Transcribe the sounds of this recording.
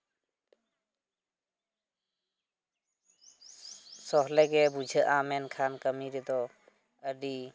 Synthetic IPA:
sɔɦlɛɡɛbud͡ʒʱəʔamɛnkʰankəmiɾit̪ɔ | əɖi

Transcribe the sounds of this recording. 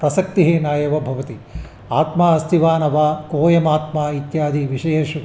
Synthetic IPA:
pɾɐsɐk̚t̪iɦeːnaːjɐʋɐbʱɐʋɐt̪i | aːt̪maːɐst̪iʋaːnɐʋaːkoːjɐmaːt̪maːit̪jaːd̪iʋiʃɐjɐʃu

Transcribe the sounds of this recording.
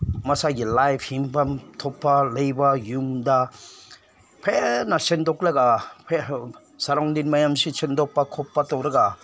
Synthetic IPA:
mɐsaɡilajpʰhimpʰamtʰɔpːalɐjbajuŋda | pʰenasendɔkɾɐɡapʰe | saɾaŋdinmajamsisendɔk̚pːɐkʰɔpːatɔwɾɐɡa

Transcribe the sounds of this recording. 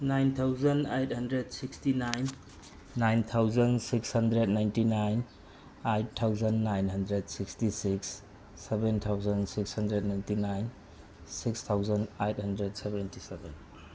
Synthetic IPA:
najnt̪ʰawzɐnejt̚hɐndɾedsikstinajnː | ajnt̪ʰawzənsikshɐndɾednajntinajn | ajtʰːawzənːajnɦɐndɾed̚sikstisiksː | ebent̪ʰawzənsikshɐndɾed̚najntinajn | sikst̪ʰawzənejt̚hɐndɾed̚sɛbentisɛben

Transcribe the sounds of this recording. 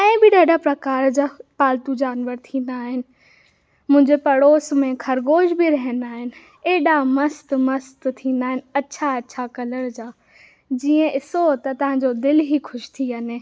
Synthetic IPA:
ɛ̃ːbɪɖʱɐɖapɾɐkaːɾd͡ʑaːpaːlt̪ud͡ʑaːnʋəɾt̪ʰĩːnd̪aːɦɪnɪ̆ | mʊ̃ɦɪ̃ɲd͡ʑepɐɽoːsmẽkʰɐɾɡoːʃbiɾɐɦənd̪aːɦɪnɪ̆ | eːɗamɐst̪mɐst̪t̪ʰĩːnd̪aːɦɪnɪ̆ɐːɕʰaɐtːɕʰakɐləɽd͡ʑaː | d͡ʑiːə̃ʔɪsot̪ɐt̪ɐʋ̤ãd͡ʑod̪ɪlɦixʰʊʃt̪ʰiɐne

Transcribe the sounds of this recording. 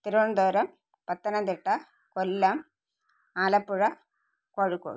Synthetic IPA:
t̪ɪɾɳnd̪oːɾɐm | pɐt̪ːɐnɐnd̪ɪʈːɐ | kɔlːɐm | aːlɐpːuɻɐ | koɻɯkːo̰ːɻ

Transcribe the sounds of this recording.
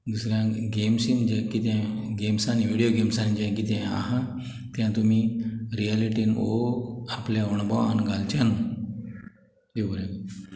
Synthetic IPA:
d̪usɾjãɡemsind͡ʑekit̪ãɡemsanʋiɽijoɡemsand͡ʑẽk̬it̪ɛ̃a̰ɦã | t̪jãt̪umiːɾijaliʈinoapljãoɳ̃baanɡalt͡ɕan | d̪ebəɾe

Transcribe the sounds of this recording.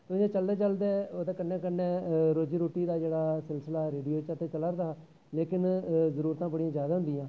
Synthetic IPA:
t̪oɪẽːt͡ʃəld̪eːt͡ʃəld̪eːoːd̪eːkənːeːkənːeːɾoːd͡ʒiːɾoːʈiːd̪aːd͡ʒeːɽaːsɪlsəlaːɾeːɖijoːt͡ʃət̪ʰːeːt͡ʃələɾd̪aː | leːkɪnzəɾuːɾt̪ãːbəɽijãːzjaːd̪aːɦʊ̃nd̪ijãː

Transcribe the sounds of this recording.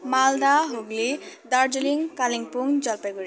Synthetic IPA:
mald̪aɦoɡlid̪aɾd͡ʒuliŋkaliŋpuŋd͡ʒʌlpaɡuɽi

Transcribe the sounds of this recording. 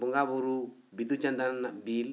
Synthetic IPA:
buŋɡabuɾu | bit̪ut͡ʃand̪anabil

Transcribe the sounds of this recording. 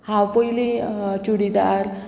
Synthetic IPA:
hãpəjlit͡ɕuɽid̪aɾ

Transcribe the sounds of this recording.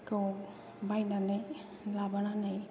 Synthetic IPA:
kow | bajnanaj | labananaj

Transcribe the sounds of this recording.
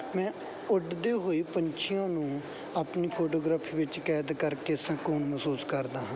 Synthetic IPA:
mɛ̃ː | ʊɖd̪eːɦoːiːpəɲt͡ʃʰɪjãːnũː | aːpniːpʰoːʈoːɡɾaːpʰiːʋɪt͡ʃkɛːd̪kəɾkeːəsãːkuːnməsuːskəɾd̪aːɦãː

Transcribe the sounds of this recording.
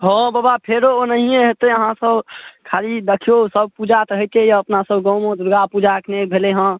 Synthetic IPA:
ɦə̃babapʰeɾonəɦiẽɦet̪eəɦãsəbkʰalid̪əkʰijosəb̚pud͡ʒat̪əɦət̪ejəpnasəbɡɔ̃mõd̪uɾɡapud͡ʒaəkʰnekbʱeleɦə̃

